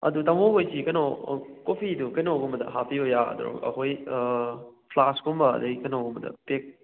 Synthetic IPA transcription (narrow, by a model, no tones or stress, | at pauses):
ɐ̰dutɐmoɡojsikɐnokopʰidukɐjnowɡɔmbɐdɐ̰ɦapʰiojaɐ̰d̰ɾo̰kɐ̰ɦoj | pʰlaskombɐɐ̰dɐjkɐjnowɡombɐdɐ̰pek̚